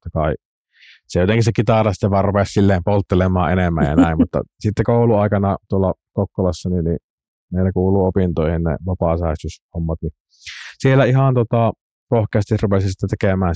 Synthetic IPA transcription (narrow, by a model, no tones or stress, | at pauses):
t̪ːɑkɑˑi | sejot̪eŋkissekit̪ɑrɑst̪ːeʋɑˑrupessilːeːmpolt̪ːelemˑɑːʔʔenemːæ̰jjɑ̰næˑimmut̪ːɑ̰sit̪ːekoˑuluɑˑikɑnɑt̪uolːɑkokːolɑsːɑninni | meˑilækuːlˑuːopint̪oˑihinnḛʋɑpɑsæˑest̪yshomːɑt̪ni | sielːæihɑnt̪ot̪ɑˑ | pohkæst̪isrupesisit̪ːæt̪ekemæːn